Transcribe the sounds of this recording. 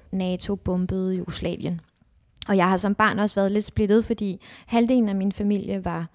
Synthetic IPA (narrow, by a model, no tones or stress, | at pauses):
nɛːt͡sʰo̝b̥ɔ̽mb̥əð̞̩ˠijuɡ̥oslɛ̰ːʋjən | ɒ̽jɑ̈ɪɦɑ̈sɒ̽mb̥ɑ̰̈ːnɒ̽sʋæːɐð̞ˠle̝d̥sb̥le̝d̥ð̩ˠfɒ̽d̥ḭːhæld̥e̝̰ln̩æminfæmil̰jəʋɑ̈